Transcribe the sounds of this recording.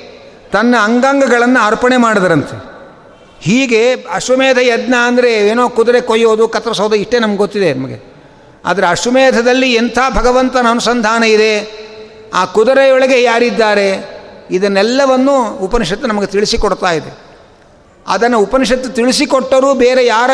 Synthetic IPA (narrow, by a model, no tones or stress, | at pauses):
t̪ɐnːɐːŋɡaːŋɡɐɡɐɭɐnːuaːɾpɐɳemaːɽid̪ɐɾɐnt̪ʰḛ | hiːɡe̞ɐʂumɛːd̪ʰʱɐjɐd̪nɐːnd̪ɐɾe̞eːnoːkud̪ɐɾekojoːd̪ukɐt̪ːɾɐsɐwd̪ɐiʂʈeːnɐmɐɡeɡot̪ːid̪enɐmɐɡe | a̰ːd̪ɐɾeɐʂumeːd̪ʱɐd̪ɐlːiɛnt̪ʰaːbʱɐɡɐʋɐnt̪ɐnɐːnusɐnd̪ʱaːnɐid̪e̞ | aːkud̪ɐɾejɔɭɐɡejaːɾid̪ːaːɾe̞id̪ɐnːɛlːɐʋɐnːuupɐniʃɐt̪ːunɐmɐɡet̪iɭisikoɽt̪aːjid̪ḛ | ɐ̰d̪ɐnːɐupɐniʃɐt̪ːut̪iɭisikɔʈːɐɾuːbeːɾejaːɾɐ